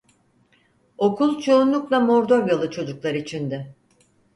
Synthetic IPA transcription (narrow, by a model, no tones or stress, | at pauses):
o̞kʰulˠt͡ʃʰo̞unlˠuklˠamo̞ɾd̪o̞ɾjalˠɯt͡ʃʰo̞d͡ʒuklˠaɾit͡ʃʰind̪ɪ